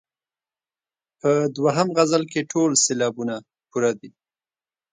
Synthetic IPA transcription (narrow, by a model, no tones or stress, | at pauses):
pəd̪waɦamɣazalkeʈʰolselɑbuna | puɾad̪i